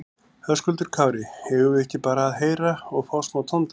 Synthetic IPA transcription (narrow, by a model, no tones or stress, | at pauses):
hœskʏlt̪ʏɾ̥kʰaːwɾɪhɛvʏvʏɛhcɪpaːɾaːðɦeːjɾaɔɣfaːwsmawt̪ʰɔnt̪ɪ